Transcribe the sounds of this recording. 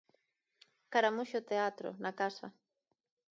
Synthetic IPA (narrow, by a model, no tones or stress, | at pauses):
kaɾamʊʃot̪eat̪ɾo̰nakasa̰